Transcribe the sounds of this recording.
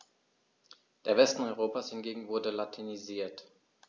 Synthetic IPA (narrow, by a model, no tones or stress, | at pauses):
d̥eːɐvɛstn̩ɔʏʁ̞oːpaːshɪnɡeːɡŋ̩vʊɐdəlatʰiniziːɐt